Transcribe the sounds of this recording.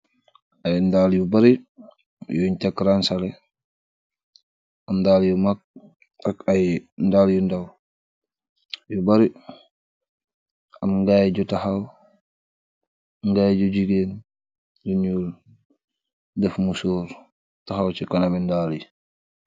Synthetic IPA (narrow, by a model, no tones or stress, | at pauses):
ajndaːlijubaɾi | juɲtakːɾansalɛ | amdaːljumak̚ | akajndaljundaw | jubaɾi | amŋɡajd͡ʒutahaw | ŋɡaːjd͡ʒud͡ʒiɡeːn | diɲul | dɛfmusɔːɾ | taɦawt͡ʃikanamɛndaːli